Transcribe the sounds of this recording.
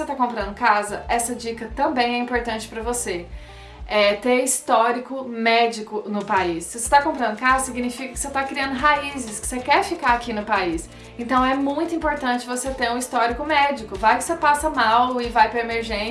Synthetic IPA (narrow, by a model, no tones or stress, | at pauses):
set̪akõmpɾɐ̃nd̪ʊkazɐʔɛsɐd͡ʒikɐt̪ɐ̃mbẽj̃ɛĩmpoɾt̪ɐ̃nt͡ʃɪ̥pɾɐvose | ɛt̪eist̪ɔɾikʊmɛd͡ʒikʊnʊpaisːɪvose̥t̪akõpɾɐ̃nd̪ʊkazɐsiɡinifikɐkɪ̥set̪akɾiɐ̃nd̪ʊɦaizɪskɪ̥sekɛɾfikaakinʊpais | ẽnt̪ɐ̃w̃ɛmũj̃t̪ʊĩpoɾt̪ɐ̃t͡ʃɪvoset̪eɾũist̪ɔɾikʊmɛd͡ʒikʊvajkɪ̥sepasɐmawɪvajpɾɐemeɾʒẽ